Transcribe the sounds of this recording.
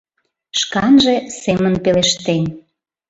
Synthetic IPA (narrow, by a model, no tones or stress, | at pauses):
ʃkɑnʒĕsemənpeleʃt̪enʲ